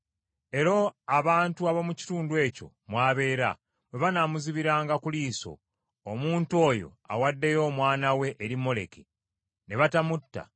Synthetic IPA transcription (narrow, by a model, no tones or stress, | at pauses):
e̞ɾoaβaːntuaβomuci̥tuːndue̞ːco̞̰ | mwaːβe̞ːɾa̰ | bwe̞βanamuziβiɾaːŋɡakuliːso̞̰ː | muːnto̞ːjo̞̰a̰wadːe̞jo̞ːmwaːnawe̞ʔːɾimːo̞le̞̰kʰe | ne̞βatamutːa̰